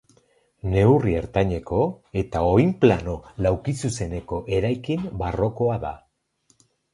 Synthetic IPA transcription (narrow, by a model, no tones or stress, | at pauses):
ne̞wrie̞ɾt̪aɲe̞ko̞ | e̞t̪ao̞jmplano̞lawkisuse̞ne̞ko̞ʔe̞ɾajkimbaro̞ko̞aða̰